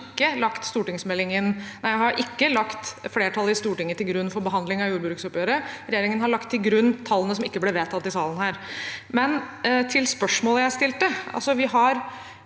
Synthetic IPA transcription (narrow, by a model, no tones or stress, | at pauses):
kːəlɑkt̪st̪uːʈɪŋsmɛlːɪŋɪnnæɪjæhɑɾʔɪkːəlɑkt̪fleːʈʰɑlːəɪst̪uːʈɪŋːət̪ɪlɡɾʉnːfɔɾbəɦɑnd̪lɪŋɑjuːɾbɾʉːksɔpjøːɾəɾɛjeːɾɪŋənhɑɭɑkt̪ʰːɪlɡɾʉnːt̪ʰɑlːənəsɔmɪkːəblɛʋeːt̪ʰɑt̪ːɪsɑːlən̩hæːɾmɛn | t̪ʰɪlspœʂmoːləjæɪst̪ɪlt̪əʔɑ̰lsɔʋɪɦɑɾ